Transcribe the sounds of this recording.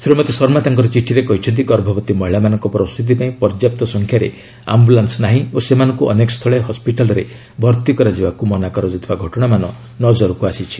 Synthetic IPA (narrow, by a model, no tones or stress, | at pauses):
sɾimɔt̪esɔɾmat̪aŋkɔɾɔt͡ʃiʈʰiɾekɔɦit͡ʃʰɔnt̪ikɔɾbʱɔbɔt̪imɔɦiɭamanɔŋkɔpɾɔst̪ʰut̪̬ipaĩpɔɾd͡ʒjap̚t̪ɔsɔŋkʰjaɾḛ | a̰mbulansnaɦĩosemanɔŋkuʔɔ̰nekɔst̪ʰɔɭeɦɔspiʈalɔɾe | bʱɔɾt̪ikɔɾad͡ʒibakumɔnakɔɾɔd͡ʒɔt̪ʰibaɡʱɔʈɔɽ̃amanɔ | nɔd͡ʒɔɾɔkuasit͡ʃʰi̥